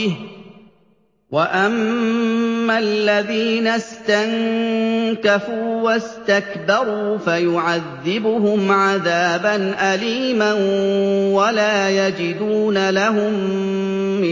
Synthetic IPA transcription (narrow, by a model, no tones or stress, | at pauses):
waʔamː | alːaðiːnast̪aŋ | kafuːwast̪akbɑɾuːfajʊʕaðːɪbʊɦʊmʕaðaːbanʔaliːmanwalaːjad͡ʒɪd̪uːnalaɦʊmː | ɪ